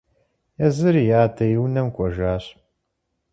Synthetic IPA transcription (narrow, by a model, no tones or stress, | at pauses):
ɛzɨɾijaːtʰɐjiwnɐmkʷʼɔʒaːɕʼ